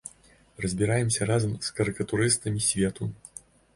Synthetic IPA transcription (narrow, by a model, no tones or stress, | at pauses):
rɐzʲbʲiɾajɛmsʲɐɾazɐmskɐɾɨkɐt̪uɾɨst̪ɐmʲisʲvʲɛt̪u